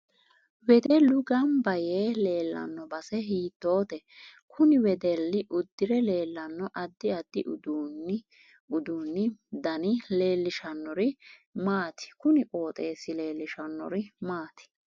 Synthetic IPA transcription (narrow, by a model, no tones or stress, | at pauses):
wɛd̪ɛlʊɡɐmbɐjeːle̞ːlːɐ̰nːɔbɐsɛɦiːt̪ːo̞ːt̪ɛ | kʰʊnɪwɛd̪ɛlːɪʔʊd̪ːɪɾɛle̞ːlːɐnːɔʔɐd̪ːɪɐd̪ːɪʔʊd̪un | ʊd̪uːnːɪd̪ɐnɪle̞ːlːɪʃɐnːɔɾɪmaːt̪ɪ̥kʊnɪkʼoːt̪ʼe̞ːsːɪle̞ːlːɪʃɐnːɔ̰ɾɪmaːt̪ɪ̥